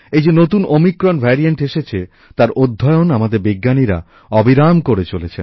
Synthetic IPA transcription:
ejd͡ʑenot̪unomikɾonbʱɛɾieɳʈeʃet͡ɕʰe | t̪aɾod̪ʱːɔeonamad̪eɾbiɡːaniɾa̰ | ɔbiɾamkoɾet͡ɕolet͡ɕʰen

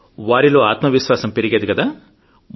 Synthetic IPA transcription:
ʋaːɾiloːaːt̪mɐʋiʃʋaːsɐmpeɾiɡeːd̪ikɐd̪aː | m

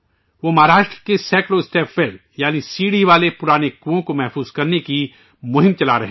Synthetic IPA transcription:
ʋomɐɦaːɾaːʃʈɾəkesɛːkɾoɪsʈeːpʋeːɖ | jaːnisiːɽiʋaːlepʊɾaːnekuõkomɛɦfuːzkɐɾneki | mʊɦɪ̃mt͡ʃɐlaɾɐɦe

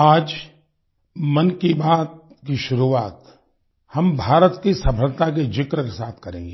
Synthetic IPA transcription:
aːd͡ʒ | mɐnkibaːt̪̚ | kiʃʊɾuʋaːt̪ | hɐmbʱaːɾət̪kisɐpʰəlt̪ak̬ed͡ʒɪkɾəkesaːt̪ʰkɐɾḛ̃ːŋɡeː

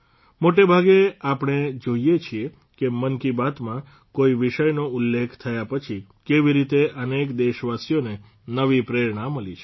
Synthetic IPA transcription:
moʈebʱaɡeapɳ̃ed͡ʒoijet͡ʃʰie | kemənkibat̪mã | koiʋiʃəjnoulːekʰt̪ʰəjapət͡ʃʰi | keʋiɾit̪eʔənekd̪eʃʋasijone | nəʋipɾeɾɳãməlit͡ʃʰe

